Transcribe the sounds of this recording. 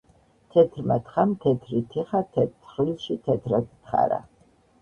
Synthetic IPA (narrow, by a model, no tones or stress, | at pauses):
t̪ʰɛt̪ʰɾmat̪χamt̪ʰɛt̪ʰɾit̪ʰɛχat̪ʰɛχlilˠʃit̪ʰɛt̪ʰɾad̪t̪χa̰ɾa̰